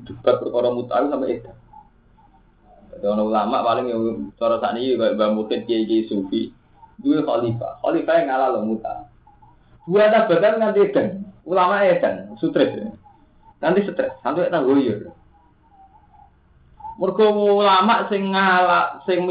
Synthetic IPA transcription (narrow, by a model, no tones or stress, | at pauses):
d̪ub̥at̪̚pərkɔɾɔmut̪a̰akusampɛʔed̪̥an | ad̪iɔnɔulama̰ʔpalɪŋjsɔɾɔsa̰nikikabamukɪt̪̚keikeisufi | duwexɔ̰lifa̰hɔ̰lifaeŋalalɔmut̪a̰ | d̪̥uanab̥a̤t̪anŋant̪ied̪̥anulamaʔed̪̥ansut̪ɾɛsḛ | nant̪isət̪ɾɛsːant̪uaʔt̪aɡojʊr | mɔrɡ̥ɔwoulamaʔsɪŋːalasɪŋm